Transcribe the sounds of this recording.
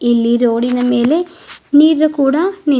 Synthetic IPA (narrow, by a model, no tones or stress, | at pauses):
elːiɾoːɽinːɐmeːleniːɾɾɐkːuːɽani